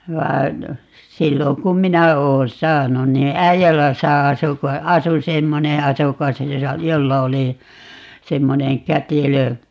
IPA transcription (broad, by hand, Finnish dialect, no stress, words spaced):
ʋɑi̯n silːoŋ kum minæ oːn sɑːnun niː æijælæsæ ɑsu ko ɑsu semːone ɑsukɑs josɑ jolːɑ oli semːoneŋ kætilø